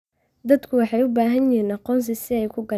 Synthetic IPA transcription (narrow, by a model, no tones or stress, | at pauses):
d̪ɐd̪kʰʊwɑħɑjʊbaːɦɐnjɪiːnɑqɔːns̬ɪsɪɛjkʰʊɡɐ